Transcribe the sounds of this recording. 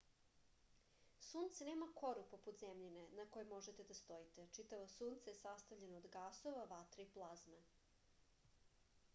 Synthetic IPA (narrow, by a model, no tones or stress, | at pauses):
suːnt̪seneːmakʰo̞ɾupo̞put̪zemʎinenako̞jemo̞ʒet̪e̞d̪ast̪o̞jit̪et͡ʃit̪aʋosuːnt̪sajesast̪aʋʎenoːd̪ɡaːso̞ʋaʋat̪ɾeiplˠazme